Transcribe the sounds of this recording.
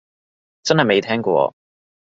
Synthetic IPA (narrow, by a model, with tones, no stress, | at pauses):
t͡sɐ˥nhɐ˨jme˨˧jt̪ʰɛː˥ŋkʷɔ̰ː˧